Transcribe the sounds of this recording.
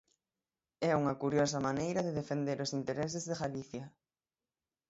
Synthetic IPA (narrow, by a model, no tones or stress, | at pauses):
ɛuŋɐkuɾjɔsɐmanejɾɐðeðefend̪eɾosint̪eɾɛs̬ɪzðeɣaliθjɐ